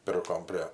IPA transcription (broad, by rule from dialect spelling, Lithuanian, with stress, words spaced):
ˈpʲɪrkoːm pʲrʲeː